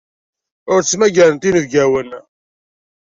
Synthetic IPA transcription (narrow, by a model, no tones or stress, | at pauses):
ʊɾt͡sːmæɡæɾənt̪inəvɡæwən